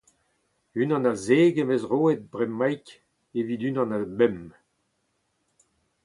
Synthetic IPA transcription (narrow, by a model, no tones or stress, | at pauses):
ynɑ̃nazeːɡemezʁoːet̪̚bʁɛmːajk | evid̪ynɑ̃nabɛm